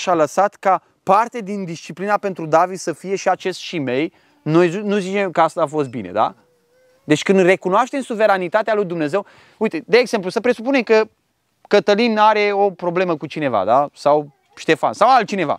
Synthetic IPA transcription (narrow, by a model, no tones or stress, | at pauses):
ʃaləsat̪ka | part̪ed̪ind̪ist͡ʃiplinape̞nt̪ɾud̪avid̪səfije̞ʃiat͡ʃe̞st̪ʃime̞j | nojznuzit͡ʃe̞mkəast̪aafo̞s̬t̪̚bine̞̰d̪a̰ | d̪e̞t͡ʃʲkɨnd̪re̞kunoaʃt̪e̞msuve̞ɾanit̪at̪ealujd̪umne̞ze̞w | ujt̪e̞d̪eːɡz̥e̞mplusəpɾe̞supunemkə | kət̪əlinaɾe̞o̞pɾo̞ble̞məkut͡ʃine̞va̰d̪asaw | ʃt̪e̞fa̰nsawalt̪̚t͡ʃine̞va̰